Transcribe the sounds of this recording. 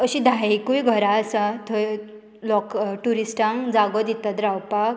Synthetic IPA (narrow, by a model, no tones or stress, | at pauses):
əɕĩd̪ʱaikujɡʱəɾaəsat̪ʰo | lɔkʈuɾisʈãŋd͡zaɡɔd̪it̪at̪ɾawpak̚